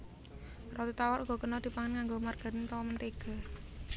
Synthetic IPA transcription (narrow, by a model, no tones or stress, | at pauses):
rʔɔt̪it̪awaɾʔuɡ̥ɔ̤kənɔd̪̥i̤paŋənkaŋɡomarɡ̥a̤ɾɪnt̪ɔwɔmənt̪eɡ̥a̤